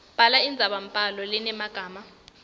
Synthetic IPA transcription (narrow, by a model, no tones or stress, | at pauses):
b̥ʱalaind͡zʱaɓam̩pʼalɔlɛnɛmaɡ̥ʱaːma